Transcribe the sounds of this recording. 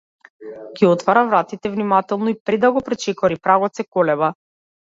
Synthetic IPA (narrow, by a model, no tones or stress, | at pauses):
ɡiɔt̪faɾavɾat̪it̪ɛvnimat̪ɛlˠnɔipɾɛd̪aɡɔpɾɛt͡ʃɛkɔɾipɾaɡɔt̪sɛkɔlɛba